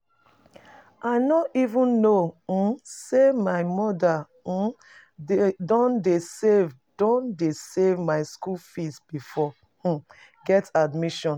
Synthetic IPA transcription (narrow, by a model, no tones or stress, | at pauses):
aɪnɔtivũnːo | semaɪmɔda | dɔ̃ndesev | dõndesevmaɪskulfisb̥ifɔ | ɡɛtadmiʃɔ̃n